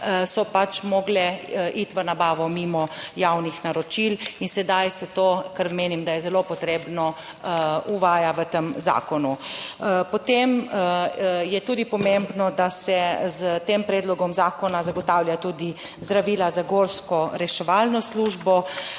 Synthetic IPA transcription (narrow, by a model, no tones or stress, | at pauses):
sɔpat͡ʃmɔɡlɛʔit̪ʋənabaːʋɔmimɔjawnixnaɾɔt͡ʃilinsɛd̪ajsɛt̪oːkəɾmeːnimd̪ajɛzɛlopɔt̪ɾeːbnɔ | uʋaːjaʋət̪əmza̰ːkɔnu | pɔt̪em | jɛt̪uːd̪ipɔmembnɔd̪asɛzət̪eːmpɾɛːd̪lɔɡɔmzaːkɔnazaɡɔt̪aːwljat̪uːd̪i | zd̪ɾaʋiːlazaɡoɾskɔɾɛʃɛʋalnɔsluːʒbɔ